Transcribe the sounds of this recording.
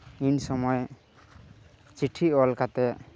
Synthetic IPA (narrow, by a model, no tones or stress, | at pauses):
insɔmɔj | t͡ʃiʈʰiɔlkat̪ɛ